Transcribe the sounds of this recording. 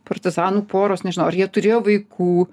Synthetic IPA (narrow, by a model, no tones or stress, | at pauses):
pɐrʲt̪ʲɪzɑːnuːpoːɾoːsnʲɛʒʲɪnɐʊɐɾjiɛt̪ʊɾʲeːjoːʋɐɪkʰuː